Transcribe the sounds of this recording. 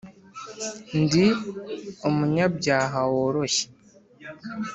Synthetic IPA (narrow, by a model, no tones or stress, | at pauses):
ndi | omuɲab̚ɟaːɦawoɾoɕe̥